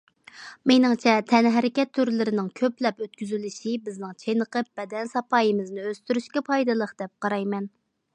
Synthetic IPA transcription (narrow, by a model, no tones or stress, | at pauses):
menɪŋt͡ʃʰɛt̪ʰɛnɦɛɾɪkʲɛt̪ʰːyɾlɪɾɪnɪŋkʲʰøplɛpøt̪̚kʲyzylyʃibɪznɪŋt͡ʃʰenəqʰəp̚b̥ɛd̪ɛnsɑpʰɑːjɨmɨznɪøst̪yɾyʃkʲɛpʰɑjd̪ɨlˠəqd̪̥ɛp̚qɑɾɑjmɛn